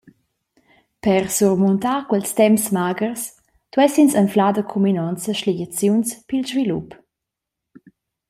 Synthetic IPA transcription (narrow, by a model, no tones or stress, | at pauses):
pɛrsurmunt̪akwɛlstɛmsmaɡərs | t̪wɛsinsənflad̪əkʰuminɔnt͡səʃliɟət͡sjunspilzvilup